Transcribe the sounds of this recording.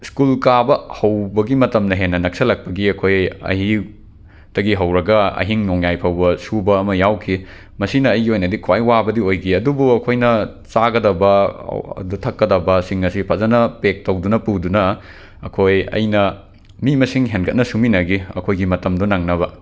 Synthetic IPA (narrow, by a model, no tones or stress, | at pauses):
skulkabɐhɐwbɐɡimɐtɐmnɐɦenːɐnɐk̚sɐlɐk̚pɐɡiɐkʰojɐ̰hi | tɐɡiɦɐwɾɐɡɐɐ̰ɦiŋnoŋjajpʰɐwbɐsubɐːmɐjawkʰi | mɐsinɐːjɡiojnɐdikʰwajwabɐdiojɡiɐdubuɐkʰojnɐ | t͡ʃaɡɐdɐbɐ̰ɐ̰dutʰɐkːɐdɐbɐsiŋɐsipʰɐzɐnɐpek̚tɐwdunɐpudunɐ | ɐ̰kʰojɐ̰jnɐ | mimɐsiŋɦenkʰɐt̚nɐsuminɐɡiɐ̰kʰojɡimɐtɐmdɔnaŋnɐβɐ